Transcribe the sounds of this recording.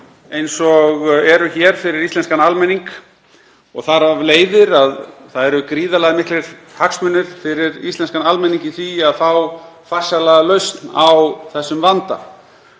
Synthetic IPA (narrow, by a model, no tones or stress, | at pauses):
ejnsɔɣɛɾʏçɛɾ̥fɪɾɪɾist̪ɛnskanalmɛnːiŋk | ɔɣθaɾavleːjðɪɾaðθaðɛɾʏkɾiːðalaːðɪmɪhklɪɾ̥ | haksmʏnːʏɾ̥fɪɾɪɾḭst̪ɛnskanalmɛnːiŋcɪθviaðfawfar̥salaɣalœɥst̪nawθɛsːʏmvant̪a̰